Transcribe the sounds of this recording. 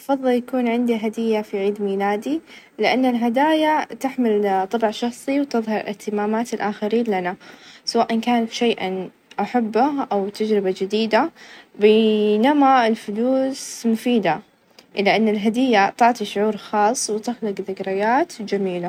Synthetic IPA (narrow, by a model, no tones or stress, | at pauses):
ʔfɑðˤːɨljakuːnʕɪnd̪iɦad̪ɪjːafiʕiːd̪miːlaːd̪i | lɪʔanːalɦad̪aːjat̪ɪħmɪlt̪ˤɑbʕʃɑxsˤiwt̪ɨðˤhɑɾˤlʔɪht̪ɪmaːmaːt̪ɪlʔaːxaɾiːnlanasawaːʔɪnkaːnfi̥ʃajʔa | ʔaħabːaʔawt̪ad͡ʒɾɪbad͡ʒɪd̪iːd̪abeːnamaɪlfʊluːsmʊfiːd̪a | ʔɪlːaʔanːalɦad̪ɪjːat̪ˤɑʕt̪ˤiʃʊʕuːɾxɑːsˤːwɪt̪ɪxlɪɡðɪɡɾɪjaːt̪d͡ʒamiːla